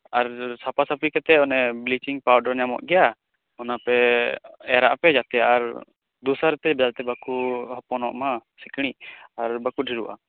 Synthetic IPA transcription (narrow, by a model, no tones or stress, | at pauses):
aɾsapasapikat̪ɛɔnɛblit͡ʃiŋpawɖɔɾɲamɔ̰ʔɡɛja | ɔnapɛ | ɛɾa̰ʔpɛd͡ʒat̪ɛjaʔaɾ | d̪usaɾɛt̪ɛbɛdalt̪ɛbakuhɔpɔnɔ̰ʔmasikɽ̃iʔaɾbakuɖʱiɾuʔa̰